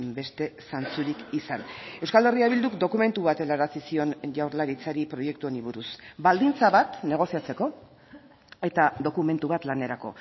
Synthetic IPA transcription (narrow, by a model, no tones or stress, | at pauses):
be̞st̪e̞sant͡suɾikisane̞wskale̞riaβild̪ukd̪o̞kume̞nt̪uβat̪elaɾasisio̞nʝawɾlaɾit͡saɾipɾo̞je̞k̚t̪ueniβ̞uɾusbald̪int͡saβat̪ne̞ɣ̞o̞siat͡se̞ko̞ | e̞t̪aðo̞kume̞nt̪uβat̪lane̞ɾako̞̰